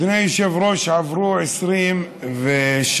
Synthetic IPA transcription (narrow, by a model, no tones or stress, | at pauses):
nejiʃɛvɾoʃʕavɾuʕɛsɾim | vɛʃ